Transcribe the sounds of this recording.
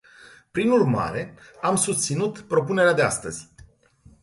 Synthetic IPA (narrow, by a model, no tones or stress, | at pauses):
pɾinurma̰ɾe̞amsust̪sinut̪pɾo̞pune̞ɾead̪e̞a̰st̪əzʲ